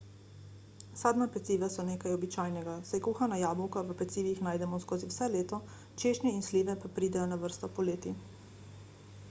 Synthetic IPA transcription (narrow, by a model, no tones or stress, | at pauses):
saːd̪mapɛt̪siːʋasɔneːkajɔbit͡ʃaːjnɛɡasajkuːxanajaːbɔwkaʋəpɛt̪siːʋixnaːjd̪ɛmɔskoːziwsɛleːt̪ɔ | t͡ʃeːʃnɛinsliːʋɛpapɾiːd̪ɛjɔnaʋəɾst̪ɔpɔleːt̪i